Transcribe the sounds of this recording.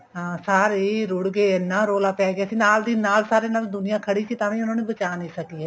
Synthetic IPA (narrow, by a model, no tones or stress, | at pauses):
ɦãːsaːɾeːɾʊɽɡeːnaːɾoːlaːpɛːɡjaːsinaːld̪iːnaːlsaːɾeːnaːld̪ʊnɪjãːkʰəɽikit̪aːʋẽʊnãːnẽbət͡ʃaːnəĩsəkiɦɛː